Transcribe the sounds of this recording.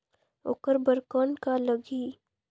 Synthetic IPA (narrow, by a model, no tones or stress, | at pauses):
o̰ːkəɾbəɾkɔːnkaləɡiː